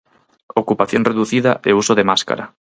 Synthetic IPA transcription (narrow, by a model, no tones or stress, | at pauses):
okupaθjoŋreðuθiðɐ̰ʔeusoðemaska̰ɾɐ̰